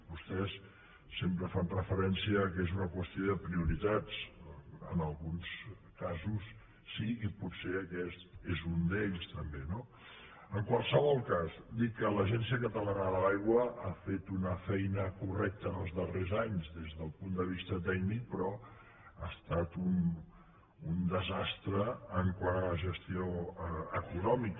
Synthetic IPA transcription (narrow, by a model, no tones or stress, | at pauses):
bust̪ɛsː | empɾəfanrəfəɾɛnsiəːkezunəkwəst̪ioðəpɾiuɾit̪ad͡z | ə̰nəlˠɣuns | kazus | siiputseəkɛst̪ezund̪eʎst̪əmbeno | əŋkwalˠsəβɔlˠkasd̪ikːələʒɛnsiəkət̪əlanəðəlajɣwəafet̪unəfɛjnəkurɛk̚t̪ənəlˠzðərezaɲzðezðəlˠpund̪əβist̪ət̪ɛknik̚pɾɔ | ast̪at̪un | und̪əzast̪ɾəːŋkwaɾəʒəst̪ioəəkunɔmik